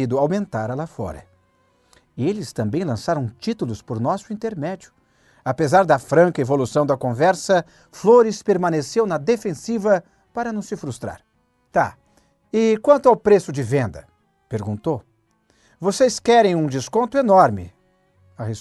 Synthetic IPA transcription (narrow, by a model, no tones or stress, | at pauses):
id̪ʊawmẽnt̪aɾɐlafɔ̰ɾɐ̰ | elɪst̪ɐ̃mbẽj̃lɐ̃saɾɐ̃w̃t͡ʃit̪ulʊspʊɾnɔsʊĩnt̪eɾmɛd͡ʒjʊ̥ | apezaɾd̪ɐfɾɐ̃ŋkɐevolusɐ̃w̃d̪ɐkõvɛɾsɐ | floɾɪspeɾmɐ̃nesewnɐd̪efẽsivɐ | paɾɐnɐ̃w̃sɪfɾust̪ɾa̰ɾ | t̪a̰ | ɪkwɐ̃nt̪ʊawpɾesʊd͡ʒɪvẽnd̪ɐ | peɾɡũnt̪ow | voseskɛɾẽj̃ũd͡ʒɪskõnt̪ʊenɔɾmɪ̰ | ahes